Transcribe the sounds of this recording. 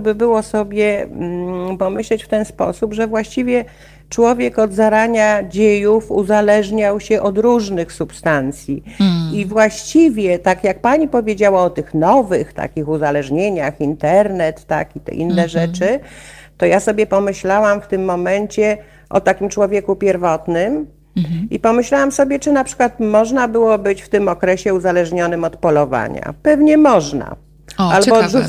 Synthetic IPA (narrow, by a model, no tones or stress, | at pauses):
bɘbɘwɔsɔbʲjɛ | pɔmɘɕlɛt͡ɕft̪ɛnspɔ̰supʐɛvwaɕt͡ɕivʲjɛ | t͡ʂwɔvʲjɛkɔd̪zaɾaɲad͡ʑejufuzalɛʐɲawɕɛʔɔd̪ɾuʐnɘxsupst̪ant̪sʲjiivwaɕt͡ɕivʲjɛt̪akjak̚paɲipɔvʲjed͡ʑawaɔt̪ɘxnɔvɘxt̪a̰kʲixuzalɛʐɲeɲaxint̪ɛɾnɛt̪ːa̰kit̪ɛ̰ʔḭnːɛʐɛt͡ʂɘ | t̪ɔjasɔbʲjɛpɔmɘɕlawamft̪ɘmːɔmɛɲt͡ɕɛ | ʔɔ̰t̪akʲimt͡ʂwɔvʲjɛkupʲjɛɾvɔt̪nɘm | ipɔmɘɕlawamsɔbʲjɛt͡ʂɘnapʂɘ̥kwat̪mɔʐnabɘwɔbɘt͡ɕft̪ɘmɔkɾɛɕɛuzalɛʐɲɔnɘmɔt̪pɔlɔva̰ɲa̰pɛvɲɛmɔʐna̰ | albɔ